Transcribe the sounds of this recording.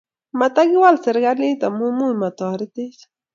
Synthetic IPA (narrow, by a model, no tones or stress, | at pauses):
mat̪aɡɪwalseɾɢaɾnit̪amumujmat̪oɾɪt̪ɪs